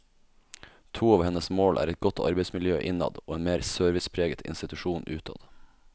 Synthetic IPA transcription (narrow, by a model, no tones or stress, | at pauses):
t̪ʰuːɑːʋhɛnəsmoːlʔæ̰ːɾɛt̪̚ɡɔt̪ʰɑ̰ɾbɛɪsmɪljøːʔɪnɑ̰d̪oːeːnmeːɾsøːɾʋɪspʰɾeːɡət̪ʰɪ̰nst̪ɪt̪ʉʃuːnʔʉːt̪ʰɑ̰d̪